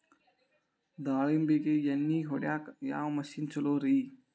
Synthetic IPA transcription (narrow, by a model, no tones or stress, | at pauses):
d̪aːɭimbekeːjɐnːiːɦoɽjaːkja̰ːwmɐʃint͡ʃɐloːɾɐiː